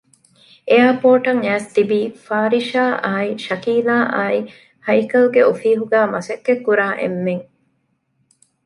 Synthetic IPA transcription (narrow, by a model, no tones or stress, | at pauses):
eaːpoːʈɐŋæːst̪ibiːfaːɾiʃaːʔaːiʃɐkiːlaːʔaːi | hɐjkɐlɡeʔofiːɦuɡæːmɐsɐkːekːuɾaːʔḛmːeŋ